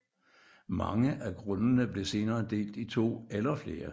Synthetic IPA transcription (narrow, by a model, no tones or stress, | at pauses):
mɑ̈ŋəʔæɡ̥ʁɔ̽nənəb̥le̝se̝ːnɐːd̥e̝̰ːld̥it͡sʰo̝̰ːelɐfle̝ːɐ